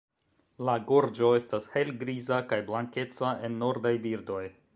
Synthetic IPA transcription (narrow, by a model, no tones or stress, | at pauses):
laɡo̞ɾd͡ʒo̞e̞stashe̞lɡɾizakajblaŋke̞t͡saʔe̞nːo̞ɾdajbiɾdo̞j